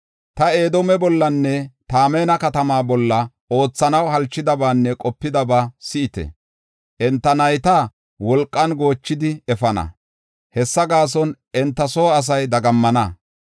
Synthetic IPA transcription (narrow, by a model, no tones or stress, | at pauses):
t̪ɐeːd̪ɔmɛbɔlːɐnːɛt̪aːmeːnɐkɐt̪ɐmaːbɔlːɐ | o̞ːt͡sːɐnɐwhɐlt͡ʃːɪd̪ɐbaːnːɛkʼɔpːɪd̪ɐbaːsɪʔɪt̪ɛ̰ | ʔɛnt̪ːɐnɐjt̪a | wɔlkʼːɐnɡo̞ːt͡ʃːɪd̪ɪɛfɐnɐ̰ | hɛsːɐɡaːs̬ɔnʔɛnt̪ːɐsoːɐs̬ɐjd̪ɐɡɐmːɐnɐ